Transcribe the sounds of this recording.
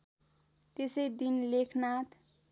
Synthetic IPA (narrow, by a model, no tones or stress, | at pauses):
t̪esejd̪inlekʰnat̪ʰ